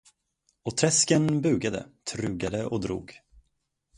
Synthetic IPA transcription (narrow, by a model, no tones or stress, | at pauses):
ɔt̪ʰɾɛskənbʉ̟ːɡad̪ə̰t̪ʰɾʉ̟ːɡad̪əʔɔd̪ɾṵːɡ